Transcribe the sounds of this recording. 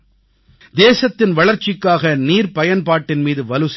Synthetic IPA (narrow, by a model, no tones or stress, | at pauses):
d̪eːsɐt̪ːɪnʋɐɭɐɾt͡ʃːɪkːaːɣɐniːɾpɐjɐnpaːʈːɪnmiːðɯʋɐlɯs